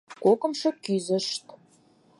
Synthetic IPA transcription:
kokə̆mʃɤ̆kyzə̆ʃt̪

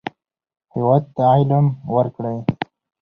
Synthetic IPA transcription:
hiwad̪̚t̪ajlamwəɾkɽaj

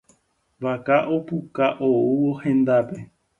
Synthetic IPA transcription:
ʋakaʔopukaʔouwohẽnd̪ape

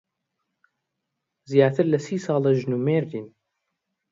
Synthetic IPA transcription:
zjaːt̪ʰɨɾlɐsiːsɑːlɐʒnuːmeːɾd̪iːn

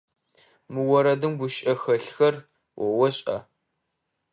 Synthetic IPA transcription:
mɨwɔɾɐdɨmɡʷʊʃʼɐxɐɬxɐr | wɔwɔɕʼɐ̰

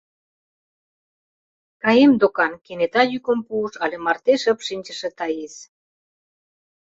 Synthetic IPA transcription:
kɑjemd̪okɑnkenet̪ɑjykə̆mpuːʃɑlʲemɑrt̪eʃəpʃinʲt͡ɕə̆ʃĕt̪ɑjes

